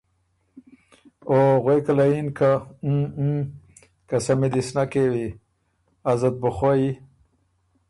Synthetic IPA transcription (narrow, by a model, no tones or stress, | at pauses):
oɣwekalainka | kasamed̪isnakewi | azat̪̚bʊχoji